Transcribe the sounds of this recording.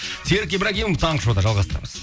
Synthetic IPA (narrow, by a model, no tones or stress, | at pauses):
seɾkʲːebɪɾækʲejmmt̪ʰɑɴəʃod̪ɑʒɑlˠʁɑst̪əɾɑ̰məz